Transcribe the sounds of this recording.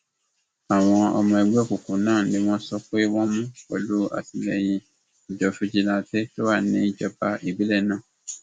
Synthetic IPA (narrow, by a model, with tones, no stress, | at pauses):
a˨w̃ɔ̃˧ɔ̰˧mɔ̃˧ɛ˧ɡ͡bku˨kũ˨nãː˦˨nĩ˨˦w̃ɔ̃˦sɔ˦k͡pe˦wɔ̃˦mũ˦wo̰˦lu˦a̰˦˨ti˧lɛ˨j̃ĩ˧ | i˨d͡ʒɔ˨fu˦d͡ʒi˦lã˦˨tɛ˦to˦wa˦˨nĩ˨˦d͡ʒɔ˧ba˧i˦˨bi˨˦lɛ˦˨nãː˦˨